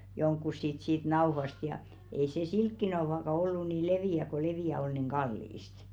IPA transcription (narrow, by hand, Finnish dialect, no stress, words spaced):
joŋkːus sit siːt nɑo̝hɑst jɑ ei se silkːinɑo̝hɑkɑ olːu ni leʋiˑæ ko leʋiˑæ ol niˑŋ ɡ̊ɑlːiˑst